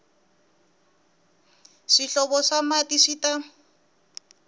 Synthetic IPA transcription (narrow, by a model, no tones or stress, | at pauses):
ʂiɬɔbɔʂamatiʂita